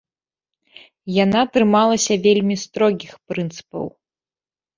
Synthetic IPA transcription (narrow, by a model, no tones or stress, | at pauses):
janat̪ɾɨmalˠɐsʲɐvʲelʲmʲist̪ɾɔɡʲixpɾɨnt̪sɨ̥pɐ̰w